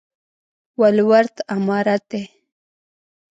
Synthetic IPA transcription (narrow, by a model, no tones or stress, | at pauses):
walwaɾt̪amaɾat̪e